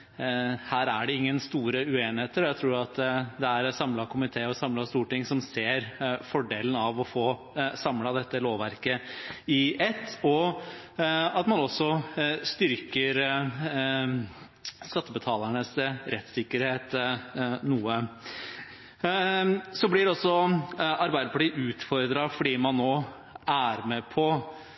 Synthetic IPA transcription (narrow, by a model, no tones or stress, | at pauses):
hæːɾæɖɛɪŋːənst̪uːɾəʉeːnɪheːt̪əɾɔæɪt̪ʰɾuːɾɑt̪d̪ɛæɾsɑmlɑkʰʊmɪt̪ʰeːɔsɑmlɑst̪uːʈɪŋsɔmseːɾfɔɖeːlənɑʋɔfoː | sɑmlɑd̪ɛt̪ːəloːʋæɾkəɪɛt̪ːɔ | ɑt̪mɑnɔsːɔst̪ʏɾkəɾ | skɑt̪ːəbət̪ʰɑːlæɳəsɾɛt̪sɪkːəɾheːt̪ | nuːə | sɔblɪd̪ɛɔsːɔɑɾbæɪd̪əpʰɑʈiːʔʉːt̪fɔɾd̪ɾɑfɔɖiːmɑnːoː | æɾmɛpʰɔ